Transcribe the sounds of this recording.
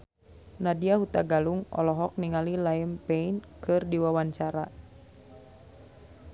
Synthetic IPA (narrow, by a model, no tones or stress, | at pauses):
nadiahut̪aɡaluŋɔ̰lɔɦɔk̚niŋalilaəmpeinkʰɨrdiwawaɲt͡ʃaɾa